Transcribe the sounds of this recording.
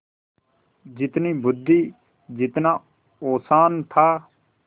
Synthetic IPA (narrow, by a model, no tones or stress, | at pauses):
d͡ʒɪt̪niːbʊd̪ʱːiː | d͡ʒɪt̪naː | oːsaːnt̪ʰaː